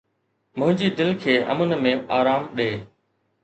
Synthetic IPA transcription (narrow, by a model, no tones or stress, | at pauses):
mʊ̃ɦɪ̃ɲd͡ʑiːd̪ɪlkʰeːʔə̰mənmẽːaːɾaːmɗeː